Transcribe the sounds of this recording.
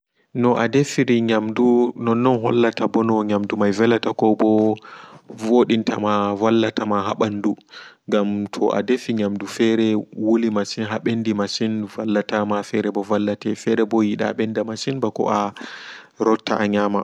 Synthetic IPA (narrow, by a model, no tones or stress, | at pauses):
nɔʔadefiɾiɲamdunɔnːɔnɦɔ̰lːatabɔnɔɲamdumajvɛlːatakɔbɔ | voɗintʰa̰mavalːatamaɦaɓanduŋɡamtʰɔ̰ʔa̰defiɲamdufɛɾɛwolimasinɦaɓendimaʃinvalːatamafɛɾɛbɔvalːatɛfɛɾɛbɔjiɗa̰ɓɛndamaʃinbakɔ̰ʔa | ɾɔtʰːa̰ʔaɲama